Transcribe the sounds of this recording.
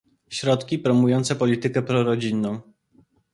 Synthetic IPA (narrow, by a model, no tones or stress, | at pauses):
ɕɾɔt̪kʲipɾɔmujɔnt̪sɛpɔlʲit̪ɘkɛpɾɔɾɔd͡ʑinːɔ̃w̃